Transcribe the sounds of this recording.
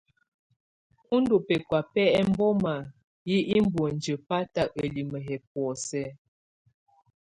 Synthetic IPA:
u˦ndo˨pɛ˨kwa˨pɛ˦ɛ˦m̩˦bɔ˦ma˨ | ji˦ʔi˦m˦bwo˨n˨d͡ʒə˨pa˦ta˨ə˨li˨mə˨ɦɛ˨p̚wɔ˨sɛ˦

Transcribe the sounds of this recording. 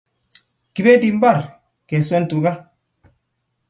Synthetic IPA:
ki˨be˦di˨m˦ba˦˨ɾ | ke˨se˦ntu˨ɡa˦

